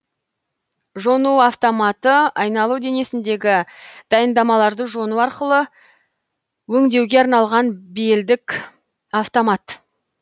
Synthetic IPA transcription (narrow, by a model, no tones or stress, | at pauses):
ʒo̞nuaft̪o̞mɑt̪əɑjnɑlˠuwd̪e̞ne̞sɪnd̪e̞ɡʲɪd̪̥ɑjənd̪ɑmɑlˠɑɾd̪əʒo̞nuɑɾqəlˠə | wɵŋd̪e̞wɡʲe̞ɑɾnɑlˠʁɑnbijld̪ɪkʲ | aft̪o̞mat̪